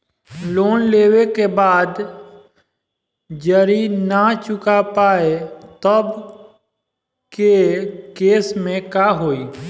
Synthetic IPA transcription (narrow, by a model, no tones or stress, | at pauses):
loːnleːʋekebaːd̪ | d͡ʒəɾiːnaːt͡ʃʊkapaːet̪əb | kekeːsmẽkaːɦoːiː